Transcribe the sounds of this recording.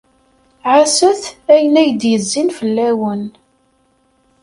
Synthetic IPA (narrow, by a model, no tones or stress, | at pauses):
ʕasəθæjənæjəd̪jəzːinfəlːæwən